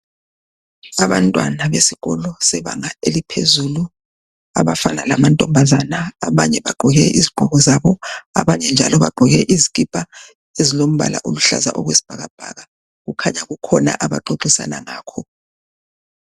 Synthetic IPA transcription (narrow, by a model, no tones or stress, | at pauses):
aβantʼwanaβesiɣɔlɔsɛβaŋaelipʰḛzulu | a̰βafanalamantʼɔmbʱazanaːβaɲɛβaɡ͡ǃʱɔɣɛʔizib̥ʱɔɣɔzaβɔaβaɲɛnd͡ʒʱa̰lɔβaɡ͡ǃʱɔɣɛʔiziɣʼib̥ʼa | ezilom̩βa̰la̰ʔuluɬa̰za̰ʔɔɣwesi̥b̥ʱaɣab̥ʱa̰ɣa | ɣukʰaɲaɣukʰɔna̰ʔaβa̰ǃoǃisa̰naŋaːkʰɔ